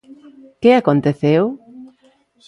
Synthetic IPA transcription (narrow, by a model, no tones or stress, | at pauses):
keakont̪eθew